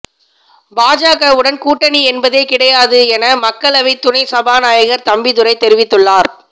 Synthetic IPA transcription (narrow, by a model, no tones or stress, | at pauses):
baːd͡ʒaːɣɐɯɽɐnkuːʈːɐniɛnbɐðeːkɪɽɐjaːðɯɛnɐmɐkːɐɭɐʋɐɪt̪ːʊnɐɪsɐbaːnaːjɐɣɐɾt̪ɐmbɪðʊɾɐɪt̪ɛɾɪʋɪt̪ːɯɭːaːɾ